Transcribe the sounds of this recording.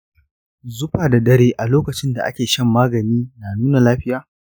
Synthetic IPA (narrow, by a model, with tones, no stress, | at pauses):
zʊ˦ɸaː˨da˨dɐ˦ɾeː˦ʔa˨loː˦kɐ˨t͡ʃɪ˦nda˨ʔa̰˦kʲeː˨ʃɐ˦˨mːaː˦ɡɐ˨niː˦naː˨nuː˦na˨laː˦ɸɪ˦jaː˨